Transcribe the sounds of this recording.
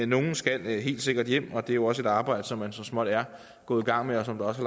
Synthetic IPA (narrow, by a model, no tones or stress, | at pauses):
no̝ːn̩sɡ̥ælɦe̝̰ːld̥se̝ɡ̥ɐd̥jem̰ɒ̽d̥e̝æjo̝ɒ̽se̝d̥ɑ̈ːb̥ɑ̈ɪ̰d̥əsɒ̽mːænsɒ̽smɒ̽d̥æɐ | ɡ̥ɔ̽ːð̩ˠiɡ̥ɑ̈ŋ̰meɒ̽sɒ̽md̥ɑ̈ɒ̽sæl